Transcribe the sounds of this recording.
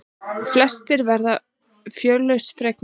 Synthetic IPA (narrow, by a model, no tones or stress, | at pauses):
flɛst̪ɪɾvɛɾða | fjœːlœɥsfɾɛk̚n